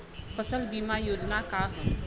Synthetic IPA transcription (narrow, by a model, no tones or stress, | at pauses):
fɐsəlbiːmajoːd͡ʒnaka